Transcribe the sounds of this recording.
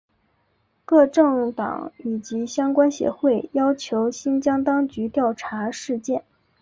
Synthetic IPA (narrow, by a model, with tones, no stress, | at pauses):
kɤ˥˧ʈ͡ʂɤ˥˩ŋt̪ɑ̰˨˩˦ŋi˨˩t͡ɕi˧˥ɕjɑ˥ŋkwa˥nɕjɛ̰˧˥xwe˥˩ɪjɑ˥ʊt͡ɕʰjo˧˥ʊɕi˥nt͡ɕjɑ˥ŋt̪ɑ˥ŋt͡ɕy˧˥t̪jɑ˥˩ʊʈ͡ʂʰa˧˥ʂɻ̩˥˧t͡ɕjɛ˥˩n